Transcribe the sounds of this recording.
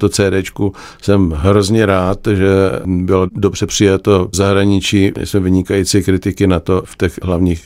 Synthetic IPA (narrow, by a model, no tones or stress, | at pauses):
t̪ot͡sɛːdɛːt͡ʃku | sɛmɦɾo̞zɲɛɾaːt̪ʒɛbɪlodo̞br̝ɛpr̝̥ɪjat̪ozaɦɾaɲɪt͡ʃiːɪ̰smɛvɪɲɪkajit͡sikɾɪt̪ɪkɪnat̪o̞ft̪ɛxɦlavɲiːx